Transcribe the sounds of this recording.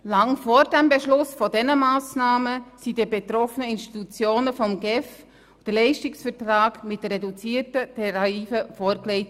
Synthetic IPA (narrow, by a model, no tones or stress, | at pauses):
lɑŋfoːɾdæmbeʃlʊsfɔdɛnəmaːsnaːməsidibetɾɔfənəɪnʃti̥tut͡sjoːnəfɔmɡɛf | d̥əlɛɪʃtɪksfəɾtraːɡmɪt̚d̥ərɛdut͡siːətətʰɛɾɑiːfəfoːɾklɛɪt